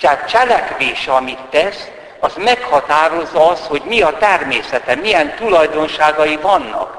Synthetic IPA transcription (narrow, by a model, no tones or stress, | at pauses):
t̪ɛaːt̪̚t͡ʃɛlɛkʋeːʃɛɒmit̪ːɛs | ɒzmɛkhɒt̪aːɾo̞zːɒɒst̪ho̞ɟmiɒt̪ɛrmeːsɛt̪ɛmijɛnt̪ulɒjd̪o̞nʃaːɡɒjivɒnːɒ̰k